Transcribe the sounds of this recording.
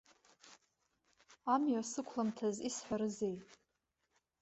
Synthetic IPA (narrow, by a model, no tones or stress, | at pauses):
amjasɨkʷʰlamtʰazisħʷaɾɨze̞jtʼ